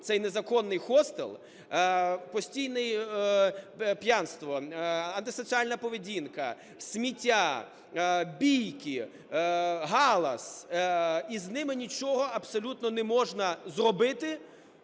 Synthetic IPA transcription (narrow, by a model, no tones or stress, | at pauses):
t̪sɛjnezɐkɔnːɪjxɔst̪ḛlˠ | pɔsʲtʲijnɪj | pjanst̪ʋɔɐnt̪ɪsɔsʲiɑlʲnɐpɔʋedʲinkɐ̰ | sʲmʲitʲːa | bʲijkɪ | ɦɑlˠɐs | iznɪmɪnʲit͡ʃɔɦɔɐbsɔlʲut̪nɔnɛmɔʒnɐzrɔbɪt̪ɪ